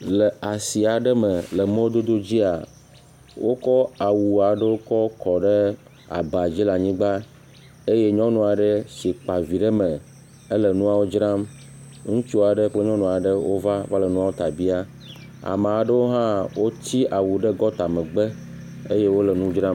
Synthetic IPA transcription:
lə˨a˨si˨a˨ɖə˦mə̃˨lə˨mẽ˦wo˦d̪o˦d̪o˦d͡ʑi˦a˨ | wo˦kɔ˦a˨wu˨a˨ɖə˦wo˦kɔ˦kɔ˨ɖə˦ | a̰˨ba˨d͡ʑi˦la˨ɲĩ˦ɡ͡ba˦ | e˦je˦ɲɔ̃˦nũ˨a˨ɖə˦si˨k͡pa˨vi˨ɖə˦mə̃˨ | ə˦lə˨nũ˦a˦wo˦d͡ʒɾã˦m | ŋũ˦t͡ʃu˦a˨ɖə˦k͡ple˦ɲɔ̃˦nũ˨a˨ɖə˦wo˦va˦va˦lə˨nũ˦a˦wo˦t̪a˨bi˦a˦ | a̰˨ma˨a˨ɖə˦wo˦ɦã˦wo˦t͡ɕi˦ʔa˨wu˨ɖə˦ɡɔ˦t̪a˨mə̃˨ɡ͡bə˦ | e˦je˦wo˦lə˨nũ˦d͡ʒɾã˦m

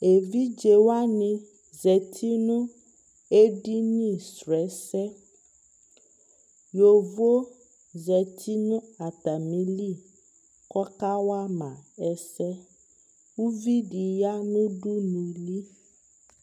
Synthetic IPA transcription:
e˨vi˦d͡ʒe˨wa˦nĩ˦ | zɛ˨t̪ʰi˦nũ˦ | e˦ɖi˦nĩ˦˨sɾɛ˨˦sɛ˦ | jo˨vo˦ | zɛ˨tʰi˦nũ˦a˨t̪a˨mĩ˨li˦˨ | kɔ˦ka˦wa˦mã˨ɛ˨sɛ˦ | wu˦vi˦ɖi˨ja˦nũ˦ɖu˦nũ˨li˦

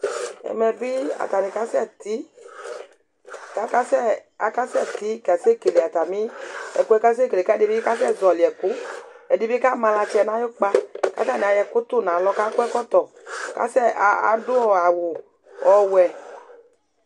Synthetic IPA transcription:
ɛ̰˨mɛ˨bi˦a̰˨t̪a˨ne˨ka˦sɛ˦˨t̪i˦ | ka˦ka˦sɛ˦a˨ka˦sɛ˦˨t̪i˨˦ka˨se˦ke˨le˨a˨t̪a˨mi˦ɛ̰˨ku˦ɛ˦ka˦s̬e˦ke˨le˨ka˦di˦bi˦ka˦sɛ˦˨zɔ˨li˨ɛ˨ku˦ɛ˨di˦bi˦ka˦˨mã˧la˧t͡ʃɛ˨nã˦jo˦k͡pa˦ka̰˦ta˦˨ni˨a˨jɛ˨kʊ˦t̪ʊ˦˨nã˨lɔ˧˦ka˦ku˦ɛ˦kɔ˦t̪ɔ˨ | ka̰˦sɛ˦a˨a̰˨dʊ˦ɔ˨a˨wu˨ | ɔ˨wɛ˨

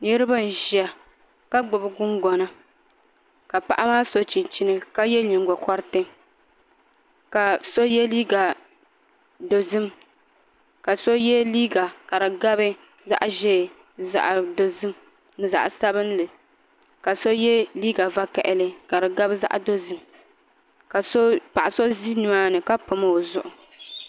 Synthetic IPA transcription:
ne˦ɾɨ˦ba˦n̩˨ʒi˨a˨ | ka˦ɡ͡bʊ˨bɨ˦ɡʊ˦ŋɡɔ˨na˦ | ka˨pa̰˦ʔa˦maː˦so˦t͡ʃi˨t͡ʃi˦nɨ˦ka˦jɛ˦ɲɪ˨ŋɡɔ˨kɔ˦ɾɨ˦tɨ˦ | ka˨so˦jɛ˦liː˦ɡa˨ | do˨zɨ˦m | ka˨so˦jɛ˦liː˦ɡa˨ka˨ɾɨ˨ɡa˦bɨ˦ | za̰˦ʔʒɛː˦˨ | za̰˨ʔdo˨zɨ˦m | nɨ˨za̰˨ʔsa˦bɨ˦n˦lɨ˨ | ka˨so˦jɛ˦liː˦ɡa˨va˦kɛ̰˨ʔɪ˦lɨ˦ka˨ɾɨ˨ɡa˦bza̰˦ʔdo˦zɨ˦m | ka˨so˦pa˨ʔa˨so˦zi˦nɨ˨ma˦nɨ˨ka˦pʊ˨ma˦o˨zʊ˦ʔʊ˨

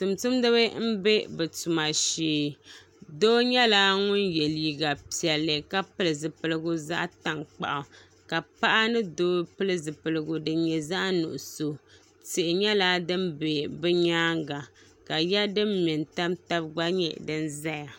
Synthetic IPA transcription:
tu˨mtu˦mdɨ˦βɨ˦m̩˦be˦bɛ˨tu˨ma˨ʃeː˦˨˦ | doː˦ɲɛ˦laː˦ŋʊ˦njɛ˨liː˨˦ɡa˨pi˨ɛ˨lːɨ˨ka˦pɨ˦lɨ˨zɨ˨pɨ˦˨lɨ˦ɡʊ˦za̰˦ʔta˨ŋk͡pa̰˨ʔʊ˨ | ka˨pa˦ʔa˦nɨ˦doː˦pɨ˦lɨ˦zɨ˨pɨ˨lɨ˦ɡʊ˨dɨ˨˦ɲɛ˨za˦ʔnṵ˨ʔʊ˨so˨ | te˨ʔɪ˨ɲɛ˦la˦dɨ˦mbe˨bɛ˦ɲaː˦ŋɡa˨ | ka˨ja˦dɨ˦mmi˨nta˦mta˦bɡ͡ba˦ɲɛ̰˦˨ʔdɨ˦nza˦ja˨

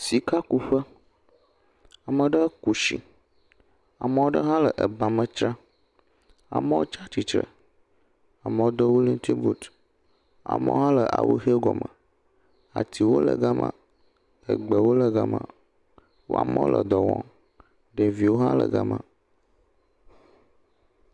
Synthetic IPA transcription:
si˨ka˦ku˦ɸə˦ | a˨mə˨ɖə˦ku˨ʃḭ˨ | a˨mə̃˨˦wo˦ɖə˦ɦã˦lə˨ʔə˨ba˨mə̃˦t͡ʃɾã˦ | a̰˨mə̃˦wo˦t͡ʃa˦t͡ʃi˨t͡ʃɾə̰˨ | a˨mə̃˨wo˦d̪ɔ˦wu˦li˦n˦t̪i˦bu˦t̪ | a̰˨mə̰̃˦wo˦ɦã˦lə˨ʔa˨wṵ˦xe˦ɡɔ˨mə˨ | a˨t̪i˨wo˦lə̰˨ɡa˦mã̰˨ | ə˨ɡ͡bə˨wo˦lə˨ɡa˦mã̰˨ | wo̰˦a̰˨mə̃˦o˦lʔə˨d̪ɔ˨wɔ̰̃˨ | ɖə˨vi˨wo˦ɦa˦lə˨ɡa˦mə̃˨

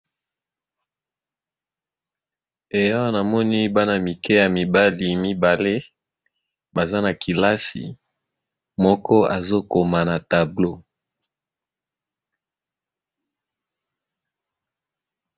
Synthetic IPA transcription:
e˨ja˦wa˦na˨mɔ˦ni˦ba˦na˨mi˨kɛ˦ja˨mi˨ba˦li˨mi˦ba˨le˦ | ba˨za˦na˨ki˨la˦sḭ˨ | mɔ˦kɔ˦a˨zo˦ko˨ma˨na˨ta˨blo˦

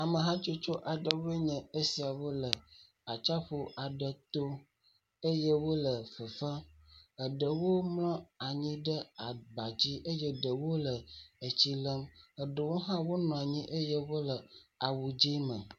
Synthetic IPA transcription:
a˨mə˨ɦã˦t͡ʃo˦t͡ʃo˦ʔa˨ɖə˨we˦ɲɛ̃˨ə˦si˨a˨wo˦lə˨ | a˨t͡ʃa˦ɸo˦ʔa˨ɖə˨t̪o˦ | ə˦jə˦wo˦lə˨fə˨fa˦ə˨ɖə˨wo˦mlɔ̃˦a˨ɲĩ˦ɖə˦a˨ba˨d͡ʑi˦ʔə˦jɛ˦ɖə˨wo˦lə˨ə˨t͡ɕi˦lə˦mə˨ɖə˨wo˦ɦã˦wo˦nɔ̃˨a˨ɲĩ˦ʔə˦je˦wo˦lə˨a˨wu˨d͡ʒi˦mə̰̃˨

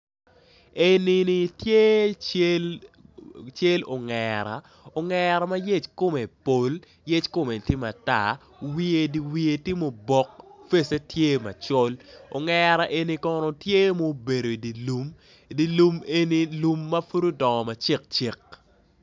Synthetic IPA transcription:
e˨ni˦ni˨tje˦t͡ʃe˦l | t͡ʃe˦lo̰˨ŋɛɾa̰˨ | o˨ŋɛɾa˨ma˦je˦t͡ʃko˦me˨po˨l | je˦t͡ʃko˦me˨tɪ˦ma˨ta̰˨ | wi˦e˨di˨wi˨e˨tɪ˦mo˨bɔ˨k̚fe˦se˦tje˦ma̰˨t͡ʃɔ˦lo̰˨ŋɛɾa˨ʔe˨ni˨kɔ˦nɔ˨tje˦mo˦be˨ɾo˨i˨di˨lu˨m | i˨di˨lu˦me˦ni˦lu˨mːɐ˦fu˦ɾo˦dɔ˨ŋɔ˨ma˨t͡ʃi˦k̚t͡ʃi˦k̚

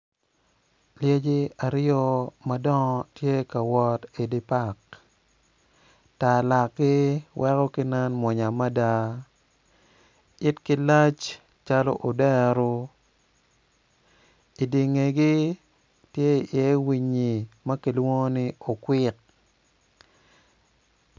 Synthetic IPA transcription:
lje˦d͡ʒi˦a˨ɾɪ˦ɔ˦ma˦dɔ˦ŋɔ˦tje˦ka˨wɔ˦ti˨di˦pa˦˨k̚ | ta˨la˨k̚ɡɪ˦wʔɛ˦kɔ˦kɪ˦nɛ˦nmwɔ˨ɲa˨ma˦da˦ | ɪ˦tkɪ˦la˦t͡ʃ | t͡ʃa˦lɔ̰˦ʔo˨dɛ˦ɾo˦ | i˨di˨ŋe˨ɡɪ˦ | tje˦i˨jɛ˨˦wi˨ɲi˨mɐ˦ki˨lwo˦ŋ˦nɪ˦o˨kwɪ˦k̚

